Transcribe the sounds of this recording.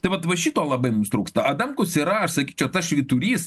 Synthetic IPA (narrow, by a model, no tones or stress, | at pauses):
t̪ɐɪʋɐt̪ʋɐʃʲiːt̪oːlˠɐbɐɪmʊmst̪ɾuːkst̪ɐɐd̪ɐmkʊsiɾɐɐʃsɐkʲiːt͡ʃʲɛʊt̪ɐsʃʲʋʲɪt̪ʊɾʲiːs